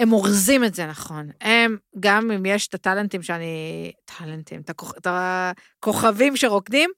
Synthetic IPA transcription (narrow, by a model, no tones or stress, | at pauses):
e̞moʁzimetze̞naχo̞nemɡamimjeʃt̪at̪alentimʃeanitʰalent̪ḭmtakot̪a | ko̞χavimʃe̞ʁokdim